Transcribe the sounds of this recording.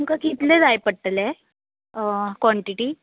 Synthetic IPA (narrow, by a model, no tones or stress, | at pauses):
uŋkakit̪led͡zajpəɽʈːle | kʋɔɳʈiʈi